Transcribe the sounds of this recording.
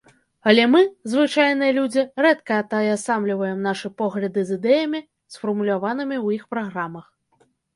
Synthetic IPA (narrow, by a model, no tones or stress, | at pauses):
ɐlʲɛmɨzvɨt͡ʂajnɨjɐlʲud͡zʲirɛt̪kɐɐt̪ajasamlʲivɐjɛmnaʂɨpɔɣlʲɐd̪ɨzɨd̪ɛjɐmʲi | sfɐrmulʲavanɨmʲiwjixpɾaɣɾamɐx